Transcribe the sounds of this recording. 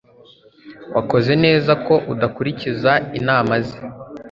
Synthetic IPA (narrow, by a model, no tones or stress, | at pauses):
wʔako̞ze̞ne̞ːzako̞ʔudakuɾicizainaːmazi